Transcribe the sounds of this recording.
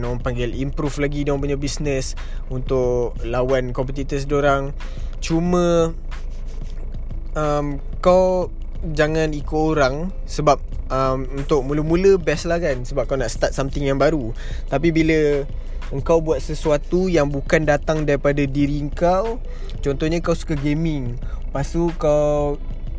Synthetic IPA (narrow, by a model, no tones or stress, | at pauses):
noaŋpaŋɡɪlimpɾuflaɡidãŋp̬uɲabisnəs | unt̪ʊʔlawankɔmpɛt̪it̪əsdoɾaŋ | t͡ʃumə̃ | əm | kaw | d͡ʒaŋãnikʊoɾaŋ | səbap̚əmunt̪ʊk̚muləmũləbɛslahkansəbap̚kawnaʔst̪at̪̚samt̪ɪŋjaŋbaɾu | t̪ap̬ibilə | əŋkawbuat̪̚səsuat̪ujaŋbukandat̪aŋdaɾipadadiɾiəŋkaw | t͡ʃɔnt̪ɔɲəkawsu̥kaɡemɪŋ | pasukaw